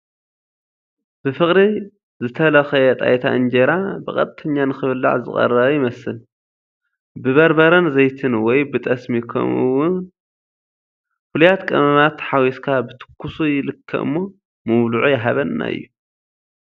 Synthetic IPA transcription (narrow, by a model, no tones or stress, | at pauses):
b̥ɨfɨxʼɾi | zɨt̪ʰɐlɐxɐjɛt̪ʼa̰jt̪ʰa̰ʔɨnd͡ʒeɾabɨkʼɐ̰t̪ʼt̪ʰʼːɐɲːanɨxɨβɨlːa̰ʕzɨ̰χʼɐ̰rːɐβɐjɪmɐsɨl | bɨβɐɾbɐɾɐnzɐjt̪ʰɨnwɔjbɨt̪ʼɐsmikʰɐ̰mɨṵwʊnn | fɨlujat̪kʼɐmɐmat̪ħawiskʰabɨt̪ʰɨ̥kʰːusujɪlɨkʰːɐ̰ʔɨ̰mːo̞ | mɨmluʕujɛɦaβɐnːa̰ɨ̰jːu